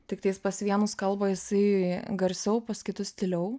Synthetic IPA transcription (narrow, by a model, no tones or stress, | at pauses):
t̪ʲɪkt̪ɐɪspɐsʋʲiɛnʊskɐlˠbɐjɪsɐɪɡɐɾʲsʲɛʊpɐskʲɪt̪ʊsʲt̪ʲɪlʲɛʊ